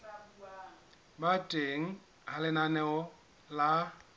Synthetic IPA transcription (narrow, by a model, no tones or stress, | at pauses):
batʼeŋ̩ | halɪnanɛʊ | la